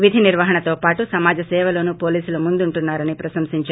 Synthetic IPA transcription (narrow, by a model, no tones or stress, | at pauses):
ʋid̪ʱiniɾʋɐɦɐɳɐt̪o̞ːpaːʈusɐmaːd͡ʒɐsɛːʋɐloːnupo̞ːliːsulumund̪uɳʈunːaːɾɐnipɾɐsɐmsiɲt͡ʃa